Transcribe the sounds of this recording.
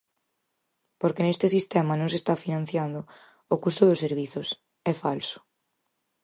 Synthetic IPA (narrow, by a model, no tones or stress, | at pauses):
poɾkenest̪ɪsist̪ɛmanõŋsest̪afinãn̟θjand̪ʊ | ʊkust̪ʊðʊseɾβ̞iθʊs | ɛfalsʊ̥